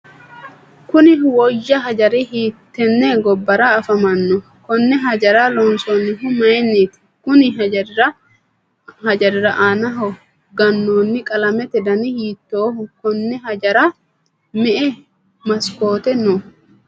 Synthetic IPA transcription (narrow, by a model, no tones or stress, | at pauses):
kʊnɪwɔjːɐɦɐd͡ʒɐɾɛhiːt̪ːɛnːɛɡɔbːɐɾaːfɐmɐnːɔ | kɔnːɛɦɐd͡ʒɐɾaːlɔnsonːɪɦʊmɐjɛnːeːt̪ɪ̥ | kʊnɪɦɐd͡ʒɐɾɾɐ | hɐd͡ʒɐɾɪɾɐʔaːnɐɦɔ | ɡɐnːoːnːɪkʼɐlɐmɛt̪ɛd̪ɐnɪhiːt̪ːoːhʊkɔnːɛɦɐd͡ʒɐɾaː | mɛʔɛ | mɐsko̞ːt̪ɛno